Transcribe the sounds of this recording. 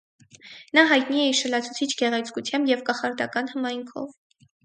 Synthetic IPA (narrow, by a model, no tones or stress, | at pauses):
nɑɦɑjt̪niɛiʃəlɑt͡sʰu̥t͡sʰit͡ʃʰɡɛʁɛt͡sʰkut͡sʰjɑmbjɛvkɑχɑɾd̪ɑ̰kɑnhəmɑjŋkʰɔ̰v